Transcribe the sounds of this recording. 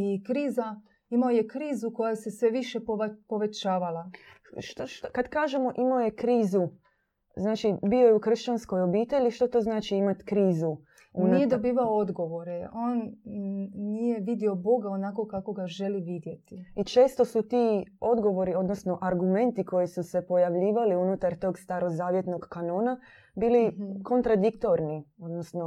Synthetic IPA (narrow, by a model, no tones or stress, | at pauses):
ikɾiːza | imaojekɾiːzuko̞jase̞sʋe̞ʋiʃepopo̞ʋe̞t͡ʃaːʋalaʃt̪oʃt̪kad̪kaːʒemo̞ʔimaojekɾiːzu | znaːt͡ʃibiːo̞jeuxr̩ʃt͡ʃansko̞jo̞biːt̪e̞ʎiʃt̪ot̪oznaːt͡ʃiimat̪kɾiːzu | unijed̪obiːʋaood̪ɡo̞ʋo̞ɾeʔo̞ːn | nijeʋid̪io̞bo̞ɡaonako̞kakoɡaʒeliʋid̪je̞t̪iit͡ʃe̞ːst̪o̞sut̪iːo̞d̪ɡo̞ʋo̞ɾio̞d̪nosno̞ʔaɾɡume̞nt̪iko̞jisuse̞po̞jaʋʎiːʋaliunut̪aɾt̪o̞ːɡst̪aɾo̞zaːʋje̞t̪no̞ɡkano̞ːna | biːliko̞nt̪ɾad̪ikt̪o̞ɾnio̞d̪nosno